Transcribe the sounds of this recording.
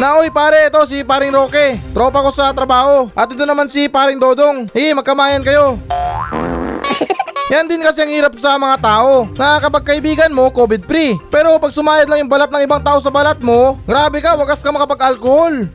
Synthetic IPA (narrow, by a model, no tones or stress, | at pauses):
nɐʔojpaːɾɛʔɛt̪o̞s̬ɪpaːɾɪŋɾo̞ːkɛt̪ɾo̞ːpɐko̞sɐt̪ɾɐbaːho̞ʔɐt̪̚ɪt̪onɐmansipaːɾɪŋd̪o̞ːd̪o̞ŋhimɐɡ̚kɐmaːjɐnkɐjo̞ | jand̪ɪnkɐsɛɐŋhiːɾɐp̚sɐmɐŋat̪aːʔo̞nɐkɐpɐɡ̚kɐʔɪbiːɡɐnmo̞koːbɪd̪̚pɾipɛːɾo̞pɐɡ̚sʊmaːjɐd̪laŋjʊŋbɐlat̪̚ɐŋɪbaŋt̪aːʔo̞s̬ɐbɐlat̪̚mo̞ɡɾaːbɛkɐwɐɡɐskɐmɐkɐpɐɡɐlkoho̞l